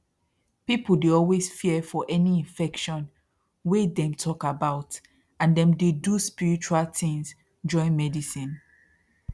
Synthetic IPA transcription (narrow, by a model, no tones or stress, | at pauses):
pipəl̩deɔlwesfiɛfɔʔɛniĩnfɛkʃɔ̃n | wedɛ̃mtʰɔkabaʊt | ãndɛ̃mdeduspiɹit͡ʃualθĩŋz | d͡ʒɔ̃ɪ̃nmɛdisĩn